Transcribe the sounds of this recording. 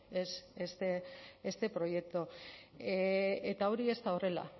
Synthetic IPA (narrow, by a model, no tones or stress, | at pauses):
esest̪eest̪e̞pɾo̞je̞k̚t̪o | et̪aoɾie̞st̪ao̞re̞la̰